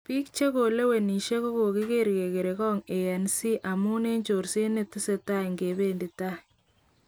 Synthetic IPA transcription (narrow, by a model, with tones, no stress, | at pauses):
pi˦kt͡ʃe˦ko˨le˦we˨ni˨ʃe˦ko˦ko˨ki˦ke˦ɾke˨ke˨ɾe˨kɔ˦ŋe˨ja˨nsi˦ʔa˨mu˦ne˦ɲt͡ʃo˨ɾse˦ne˨ti˦se˨ta˦˨ŋɡe˨be˦ndi˨ta˦